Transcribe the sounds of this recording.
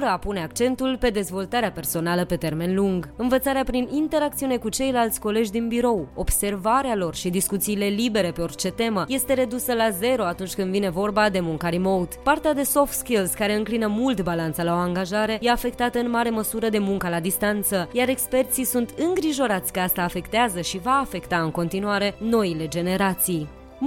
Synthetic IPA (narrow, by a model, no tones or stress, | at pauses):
ɾəapune̞akt͡ʃe̞nt̪ulpe̞d̪e̞zvo̞lt̪aɾeape̞rso̞naləpe̞t̪e̞rme̞nluŋɡɨnvət̪saɾeapɾinint̪e̞ɾak̚t̪siune̞kut͡ʃe̞jlalt̪sʲko̞le̞d͡ʒʲd̪inbiɾo̞wo̞bse̞rvaɾealo̞rʃid̪iskut̪siːle̞libe̞ɾe̞pe̞o̞rt͡ʃe̞t̪e̞məje̞st̪e̞ɾe̞d̪usəlaze̞ɾo̞at̪unt͡ʃʲkɨnd̪vine̞vo̞rbad̪e̞muŋkaɾimo̞wt̪part̪ead̪e̞so̞ft̪skilzkaɾe̞ɨŋklinəmult̪balant̪səlao̞aŋɡaʒaɾe̞je̞afe̞k̚t̪at̪əɨnmaɾe̞məsuɾəd̪e̞muŋkəlad̪ist̪ant̪səjaɾe̞kspe̞rt̪sisunt̪ɨŋɡɾiʒo̞ɾat̪sʲkəast̪aːfe̞kt̪eazəʃivaːfe̞kt̪aɨŋko̞nt̪inuaɾe̞no̞ile̞d͡ʒe̞ne̞ɾat̪sij